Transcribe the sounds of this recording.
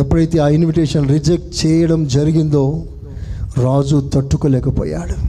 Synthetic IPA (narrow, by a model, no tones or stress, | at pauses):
ɐpːɐit̪ːiaːinʋiʈeːʂɐnɾid͡ʒɐk̚ʈt͡ʃɛːjɐɽɐmd͡ʒɐɾiɡind̪oː | ɾaːd͡ʒut̪ɐʈːukɐlɛːkɐpo̰ːja̰ːɽu